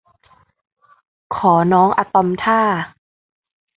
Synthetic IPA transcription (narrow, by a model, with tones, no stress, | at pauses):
kʰɔː˩˦nɔː˦˥ŋʔa˧t̪ɔ˧mt̪ʰaː˥˩